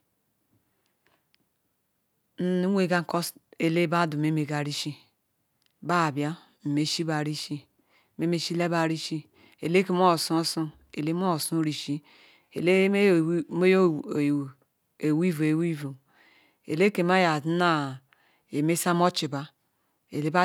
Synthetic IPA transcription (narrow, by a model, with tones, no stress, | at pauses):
n̩˦nu˦e˦˨ɡa˦ŋ˨˦ko˦se˨le˦ba˦du˨me˦me˨ɡa˨ɾi˦ʃi˦ | ba˦˨bja˦ | m̩˨me˨ʃi˦ba˨ɾi˦ʃi˦ | me˦me˨ʃi˦le˦ba˨ɾi˦ʃi˦ | e˨le˦ke˨˦mo˦˨su˦su˦ | e˨le˦mo˦o˨su˦ɾi˨ʃi˦ | ḛ˨le˦mo˦j | e˨wi˦vu˨e˨wi˦vu˨ | ḛ˨le˦ke˨ma˦ja˨˦na˦ | e˨me˦sa˦mo˦t͡ʃi˨ba˦ | ḛ˨le˦ba˦